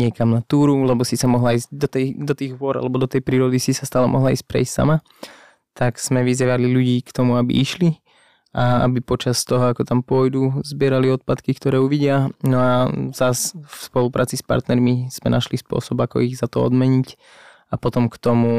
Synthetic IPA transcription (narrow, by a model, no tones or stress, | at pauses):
ɲɪɛkamnat̪uːɾulɛbɔsisamɔɦlaizɟd̪ɔt̪ɛd̪ɔt̪iːɣɦʊɔɾa̰lɛbɔd̪ɔt̪ɛjpɾiːɾɔd̪isisast̪aːlɛmɔɦlaiːsc̚pɾɛ̰istsa̰ma | t̪akz̥mɛʋiziʋaliʎuɟiːkt̪ɔmuabḭʔiʃli | aa̰bipɔt͡ʃast̪ɔɦɔakɔt̪ampʊɔjd̪uzbɪɛɾaliɔt̪̚pat̪kikt̪ɔɾɛːuʋiɟɪanɔaz̥asfspɔlupɾʔa̰ːt͡sispa̰ɾt̪nɛɾmiz̥mɛ̰naʃlispʊɔ̰sɔbakɔ̰iɣzat̪ɔɔ̰d̪mɛɲic | apɔt̪ɔmkt̪ɔmu